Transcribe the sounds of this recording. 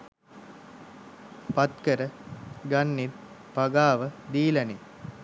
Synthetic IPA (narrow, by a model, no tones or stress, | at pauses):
pɐt̪kəɾəɡɐnːit | paɡaːʋəd̪iːlɐni